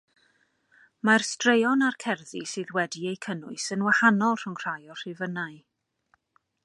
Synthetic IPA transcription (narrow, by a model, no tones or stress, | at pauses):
marstrejɔnarkʰɛrðisɨːðwɛdiejkʰənʊɨsənwahanɔlˠr̥ʊŋr̥ajɔr̥ɪvənaɨ